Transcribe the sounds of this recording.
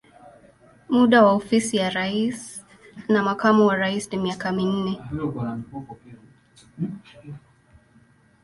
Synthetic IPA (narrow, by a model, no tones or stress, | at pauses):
muɗawaɔfisijaɾais | namakamuwaɾaisnimiakamin̩nɛ